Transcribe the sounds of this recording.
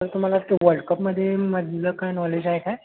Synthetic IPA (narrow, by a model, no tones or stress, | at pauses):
t̪əɾt̪um̤alasʈeʋəɾɖkəpməd̪ʱːjeməd̪ləkajnɔled͡ʒajekae